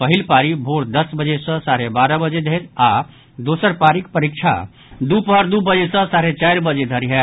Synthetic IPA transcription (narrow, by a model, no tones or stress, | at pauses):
pəɦilpaɾibʱoɽd̪əsbəd͡ʒesə̃saɾebaɾəbəd͡ʒed̪ʱeɾa | d̪osəɾpaɾikpəɾik̚t͡ʃʰa̰ | d̪upɦəɾd̪ubəd͡ʒesə̃saɾet͡ʃajɾbəd͡ʒed̪ʱəɾiɦɛ